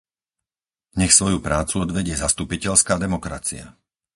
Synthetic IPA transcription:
ɲɛxsʋɔjupɾaːt͡suɔd̪ʋɛɟɪɛzast̪upicɛʎskaːd̪ɛmɔkɾa̰t͡sḭa̰

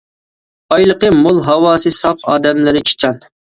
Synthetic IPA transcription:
ɑjlˠəqəmolˠɦɑwɑːsɨsɑpɑːd̪ɛmlɪɾɪt͡ʃʰe̥t͡ʃʰɑn

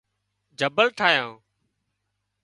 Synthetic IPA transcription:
d͡ʒʱəbəlʈʰaːɦjãː

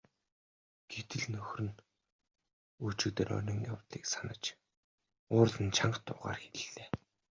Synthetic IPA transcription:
ɡ̥et̪ɘ̆ɮnɵxʲrɘ̆n | ut͡ɕɪ̆k̚t̪eːrɔ̰nʲĭŋja̰wt̪ɮiːksanə̆t͡ɕ | ʊːrɮə̆nt͡ɕʰaɴɢt̪ʊ̰ːʁa̰ːrxeɮɮeː

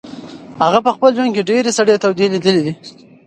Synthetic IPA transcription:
haɣapəxpəld͡ʒwankeɖeɾesaɽjet̪awd̪ilid̪əled̪i

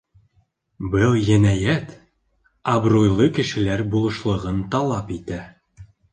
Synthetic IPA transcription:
bɤlˠjɘ̆næjæt̪ | ɐbrojlˠɤkɘ̆ʃɘ̆læɾbulˠɤ̆ʃlˠɤ̆ʁɤnt̪ɑlˠɑpit̪æ

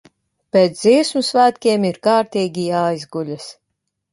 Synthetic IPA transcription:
pʲeːt̪sziɛsmusvæːt̪kʲiɛmiɾkaːɾt̪ʲiːɡʲijaːjzɡulʲas

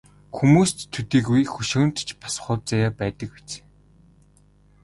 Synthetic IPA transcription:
xumuːst̪ʰːut̪iːkujxɵʃʊ̆n̥t̪t͡ɕpḁs̆χʊːt͡sajaːpæːt̪ə̆k̚pet͡sː

